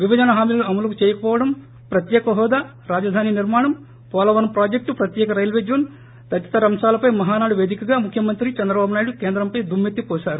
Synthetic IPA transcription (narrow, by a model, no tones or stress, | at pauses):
ʋibʱɐd͡ʒɐnɐɦaːmiːlɐluɐmɐlɐkut͡ʃeɛːjɐkɐpɔːʋɐɽɐm | pɾɐt̪jɛːkɐɦɔːd̪aː | ɾaːd͡ʒɐd̪ʱaːniniɾmaːɳɐm | pɔːlɐʋɐnpɾaːd͡ʒek̚ʈupɾɐt̪jɛːkɐɾɐjlʋeːd͡ʒɐn | t̪ɐt̪t͡ʃɐ̥t̪ɐɾɐmʂaːlɐpɐjmɐɦaːnaːɽuʋe̞ːd̪ikɐɡaːmukʰjɐmɐnt̪ɾit͡ʃɐnd̪ɾɐbaːbunaːjɽukeːnd̪ɾɐmpɐjd̪umːet̪ːipɔːʃaːɾu